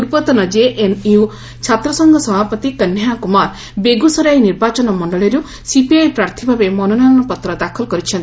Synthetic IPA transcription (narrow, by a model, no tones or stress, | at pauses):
uɾpɔt̪ɔnɔd͡ʒeʔeniu | t͡ʃʰat̪ɾɔsɔŋɡʱɔsɔbʱapɔt̪ikənjakumaɾ | beɡusɔɾajniɾbat͡ʃɔnɔmɔɳɖɔɭɔɾu | sipiajpɾaɾt̪ʰibʱabemɔnonaɾɔɳɔpɔt̪ɾɔd̪akʰɔlkɔɾit͡ʃʰɔnt̪i